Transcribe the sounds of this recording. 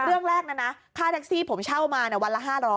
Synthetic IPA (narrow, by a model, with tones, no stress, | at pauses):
ɾɯ˥˩əŋɾɛː˥˩k̚na˦˥˩na˦˥k̪ʰaː˥˩t̪ʰa˦˥k̚siː˥˩pʰo˩˦mt͡ɕʰa˥˩wmaː˧ni˥˩əwa˧nla˦˥ɦaː˥˩ɾɔː˦˥j